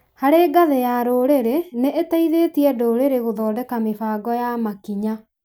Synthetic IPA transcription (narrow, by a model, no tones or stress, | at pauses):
haɾeɡaðejaɾoːɾeɾeneʔetaiðeːtiɛdoːɾeɾeɣoðɔːdɛkamefaːɡɔjamakiɲa